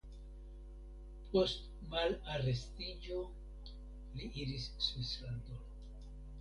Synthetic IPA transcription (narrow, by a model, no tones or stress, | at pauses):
pʰo̞st | malare̞stid͡ʒo̞ | liʔiɾisːwislandol